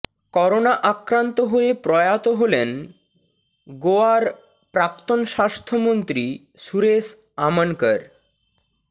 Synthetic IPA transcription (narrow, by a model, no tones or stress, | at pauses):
kɔɾonaʔakɾant̪oɦoepɾɔjat̪oɦolen | ɡoaɾ | pɾak̚t̪onʃast̪ʰomont̪ɾi | suɾes | amankəɾ